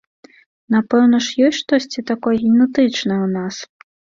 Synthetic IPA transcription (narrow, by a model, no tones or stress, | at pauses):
napɛwnɐʂjɔsʲʂt̪ɔsʲt͡sʲit̪akɔjɐɣʲimnɛt̪ɨt͡ʂnɐwnas